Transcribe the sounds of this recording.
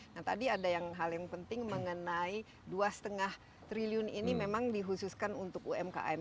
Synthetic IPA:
nat̪a̰diadajaŋɦaljaŋpənt̪ɪŋməŋənai | duasə̥t̪əŋah | t̪ɾiliʊninimemaŋdiɦususkanunt̪ʊkuɛmka̰ʔa̰ɛm

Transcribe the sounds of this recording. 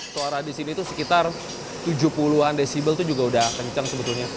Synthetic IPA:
soaɾahdisinit̪usəkit̪ar | t̪ud͡ʒupuluɦandesibəlt̪ud͡ʒuɡaudahkəɲt͡ʃaŋsəbət̪ulɲa

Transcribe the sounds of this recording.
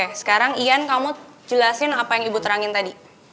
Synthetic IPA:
asə̥kaɾaŋiankamud͡ʒəlasɪnapajaŋibut̪əɾaŋɪnt̪adi

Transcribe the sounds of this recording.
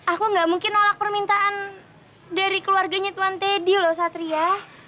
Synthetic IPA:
akuŋɡaʔmuŋkɪnolak̚pərmint̪aʔan | daɾikəluarɡaɲat̪uant̪edilɔhs̬at̪ɾia

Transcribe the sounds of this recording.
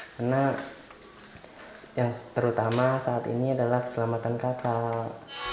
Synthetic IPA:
karna | jaŋt̪əɾut̪amasaːt̪ḭniadalahkə̥səlamat̪ankat̪a

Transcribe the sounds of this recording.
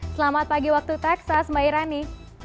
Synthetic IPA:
səlamat̪̚paɡiwak̚t̪ut̪ɛksasbaiɾani

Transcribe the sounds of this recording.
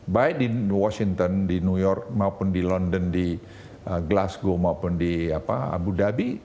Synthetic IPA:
baɪt̪̚diwɔsiŋt̪əndinujɔrk̚maupʊndilɔndəndi | əɡlasɡomaupʊndiapaa̰budabi

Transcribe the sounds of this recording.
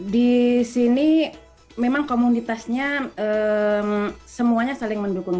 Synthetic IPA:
disini | memaŋkomunit̪asɲaəmsəmuaɲasalɪŋməndukʊŋ

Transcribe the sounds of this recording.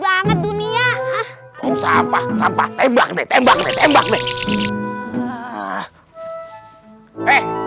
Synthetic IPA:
baŋət̪̚dunia | osampahsampaht̪ɛmba̰knet̪ɛmbak̚net̪ɛmbak̚ne | eh

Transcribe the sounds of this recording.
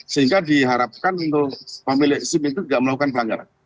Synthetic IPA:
səɦiŋɡadiɦaɾap̚kanunt̪ʊʔpamilɪʔsɪmit̪̬uɡaʔməlakukanpəlaŋɡaɾa̰n

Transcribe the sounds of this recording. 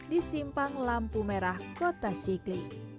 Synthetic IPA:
disimpaŋlampumeɾahkot̪asikli

